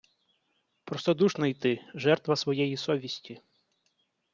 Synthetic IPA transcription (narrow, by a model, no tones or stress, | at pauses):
pɾɔst̪ɔd̪uʃnɔjt̪ɪʒɛrt̪ʋɐsʋɔjɛjisɔʋʲisʲtʲi